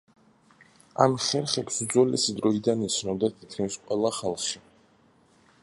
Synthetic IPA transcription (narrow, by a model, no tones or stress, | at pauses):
amχɛɾχɛpsud̪zwɛlɛsid̪ɾɔid̪anit̪sʰnɔd̪at̪ʰikʰnisqʼwɛlˠaχalˠχʃi